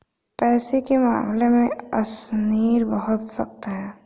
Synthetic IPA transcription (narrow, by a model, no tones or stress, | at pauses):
pɛːsekema̰ːmlemẽɐsniːɾbəɦʊt̪sɐ̰k̚t̪aɦɛː